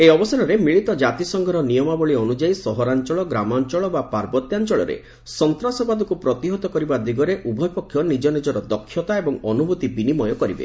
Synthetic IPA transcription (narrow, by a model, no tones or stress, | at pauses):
eɔbɔsaɾɔɾemiɭit̪ɔd͡ʒat̪isɔŋɡʱɔɾɔnijɔmabɔɭiɔnud͡ʒaisɔɦɔɾant͡ʃɔɭɔɡɾamant͡ʃɔɭɔbapaɾbɔt̪jant͡ʃɔɭɔ̰ɾḛ | sɔnt̪ɾasɔbad̪ɔkupɾɔt̪iɦɔt̪ɔkɔɾibad̪iɡɔɾeʔubʱɔjpɔkʰːjɔnid͡ʒɔnid͡ʒɔɾɔd̪ɔkʰːjɔt̪aebɔŋɔnubʱut̪ibinimɔjɔkɔɾibḛ